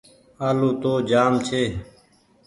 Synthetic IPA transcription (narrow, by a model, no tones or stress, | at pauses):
aːloːt̪oːd͡ʒaːmt͡ʃʰeː